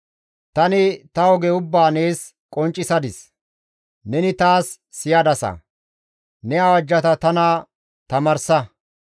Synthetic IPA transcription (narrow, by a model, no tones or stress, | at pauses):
t̪ɐnɪt̪ɐwɔɡɛʊbːaːneːs | kʼɔnt͡ʃʼːɪsɐd̪ɪs | nɛnɪt̪aːsː | ɪjɐd̪ɐsɐ̰ | nɛɐwɐd͡ʒːɐt̪ɐt̪ɐnɐ | t̪ɐmɐɾsɐ